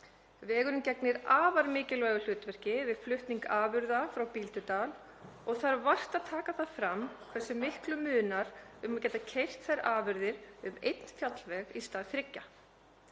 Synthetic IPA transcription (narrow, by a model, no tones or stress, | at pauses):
vɛːɣʏɾʏmcɛknɪɾaːvaɾmɪːcɪlvɛːɣʏl̥ʏːt̪vɛr̥cɪvɪðflʏht̪niŋkaːvʏɾðafɾawpiːlt̪ʏt̪aːl | ɔɣθaɾvar̥t̪aðt̪ʰaːkaθaðfɾamːkʰvɛ̥sːʏmɪhklʏmʏːnaɾ̥ʏmacɛːt̪acʰejr̥t̪θajɾaːvʏɾðɪɾʏmḛjt̪n̥fjat̪lvɛɣist̪aːðθɾɪcːa